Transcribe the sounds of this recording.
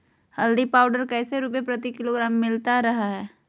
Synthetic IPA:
hɐld̪ipaːʊɖəɾkɛːseɾupepɾɐt̪ikɪloːɡɾaːmːɪlt̪aɾɐɦaɦɛː

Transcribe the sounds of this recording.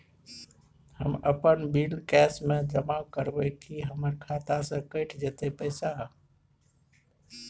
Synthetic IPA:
hə̰məpənbilkɛsmẽd͡ʒəmakəɾbəkiɦəməɾkʰat̪asə̃kəɪʈʰd͡ʒet̪epəɪsa

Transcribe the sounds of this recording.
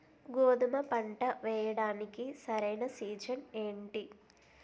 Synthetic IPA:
ɡoːd̪umɐpɐɳʈɐʋɛːjɐɽaːnikisɐɾɐjnɐsiːd͡ʒɐne̞ːɳʈi

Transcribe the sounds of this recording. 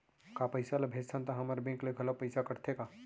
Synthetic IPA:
kapɐɪsalɐbʱeːd͡ʒsʰãnt̪aɦɐmaɾbẽːŋkleɡɐləpɐɪsakɐɾt̪ʰekaː

